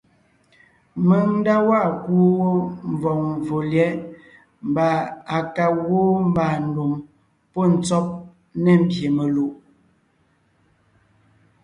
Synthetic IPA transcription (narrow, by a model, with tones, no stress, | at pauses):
mə˨n̩˦da˦wa˦˨ku˦wo˦ɱ˨vɔ˨ŋɱ˨vo˨ljɛ˨˦ | m˨ba˨a˨ka˨wo˦m˦ba˨n̩˨do˨m | pɔ˦˨n̩˨t͡sɔ˦p̚ | nɛ˦˨m̩˦˨bje˨me˨lu˨ʔ